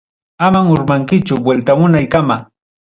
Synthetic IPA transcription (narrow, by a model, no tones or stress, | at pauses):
amaŋʊɾmaŋkɪt͡ʃʊbwelt̪amʊnajkama